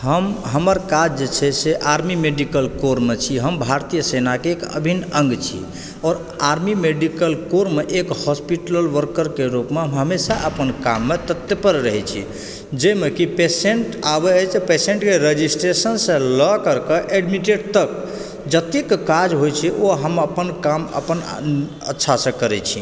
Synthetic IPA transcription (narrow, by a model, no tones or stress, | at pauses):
ɦəmɦəməɾkad͡ʒd͡ʒet͡ʃʰɛseʔaɾmimeɖikəlkoɾmet͡ʃʰiɦəmbʱaɾt̪ijəsenakeːkə̰bʱinəŋɡt͡ʃʰḭ | ɔːɾ | aɾmimeɖikəlkoɾmeʔekhɔspiʈləlʋəɾkəɾkeɾupmeɦəmesaʔəpənkamːet̪ət̪jəpəɾɾəɦɛt͡ʃʰḭ | d͡ʒemekipeseɳʈabeːt͡ʃpeseɳʈkeɾed͡ʒisʈɾesənsə̃lɔkəɾkəʔeɖmiʈeɖ̚t̪ək | d͡ʒət̪ikkad͡ʒɦojt͡ʃʰɛʔoɦəməpənkamə̰pən | ə̰tːʃʰasə̃kəɾɛt͡ʃʰi